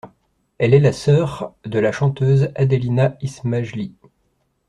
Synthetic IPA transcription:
ɛlɛlasœʁd̪əlaʃɑ̃t̪øzad̪əlinaismaʒli

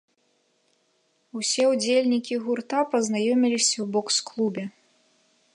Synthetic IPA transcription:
usʲɛud͡zʲelʲnʲikʲiɣurt̪apɐznajɔmʲilʲisʲɐwbɔksklˠubʲɛ

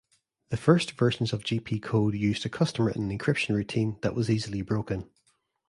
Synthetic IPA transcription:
ðəfɜ˞stv̥ɜ˞ʃə̃nzəvd͡ʒiːpʰiːkʰodjʉːzdəkʰʌstəmə˞ɹə̰̃nə̃nɪ̃nkʰɹ̥ɪpʃə̃nɹʉtʰĩnðə̰ʔwʔɔzizəlˠibɹokə̃n

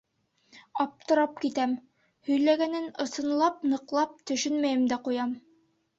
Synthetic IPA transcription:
ɑp̚t̪ɤ̆ɾɑp̚kit̪æm | hɵ̆jlæɡænɘnɤ̆sɤ̆nlˠɑp̚nɤ̆qlˠɑp̚t̪ɵ̆ʃɵnmæjɘmd̪æqujɑm

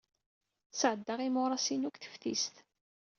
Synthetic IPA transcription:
sʕəd̪ːɑʁimʊɾˤɑsinukθə̥fθist̪

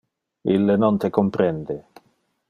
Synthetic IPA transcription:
ilːenont̪ekompɾɛnd̪e

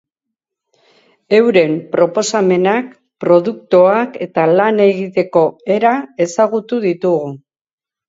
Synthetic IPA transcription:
e̞wɾe̞mpɾo̞po̞same̞nak | pɾo̞ðukt̪oake̞t̪alane̞ɣit̪e̞ko̞e̞ɾae̞saɣ̞ut̪uðit̪uɣu

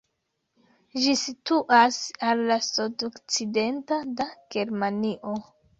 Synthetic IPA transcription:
ʒisituʔasalːasudokt͡side̞ntadaɡ̥e̞ɾmaniʔo̞

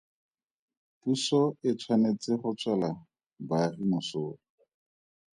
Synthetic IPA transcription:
pusɔɪt͡sʰwanet͡sɪχʊt͡swala | barimʊsoːrɔ

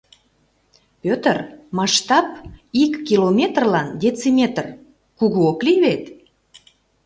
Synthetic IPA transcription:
pʲøt̪ərmɑʃt̪ɑp̚ikːilomʲet̪rlɑnd̪ʲet͡simʲet̪r | kuɣuokliβet̪

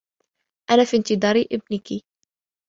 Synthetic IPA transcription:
ʔanafint̪ɨd̪ˤɑːɾiʔɪb̚nɪki

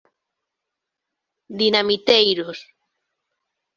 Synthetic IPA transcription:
d̪inamit̪ejɾos

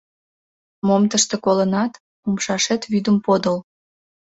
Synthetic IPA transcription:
momt̪əʃt̪ekolənɑt̪ | umʃɑʃet̪βyd̪əmpod̪əl

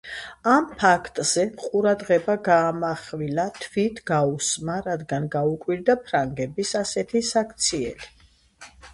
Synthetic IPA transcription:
ampʰakʰt̪ʼz̥ɛqʼuɾad̪ʁɛbaɡaːmaχvilat̪ʰvit̪ʰɡausmaɾad̪ɡanɡaukʼwiɾd̪apʰɾaŋɡɛbisasɛt̪ʰisakʰt̪sʰiɛ̰li

